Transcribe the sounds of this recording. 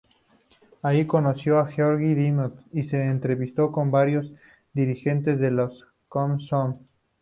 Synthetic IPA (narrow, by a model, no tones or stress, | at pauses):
aiko̞nosjo̞axeoɾɣiðimot̪ise̞ːnt̪ɾeβist̪o̞ko̞mbaɾjo̞z | d̪iɾixe̞nt̪ezðe̞los | komson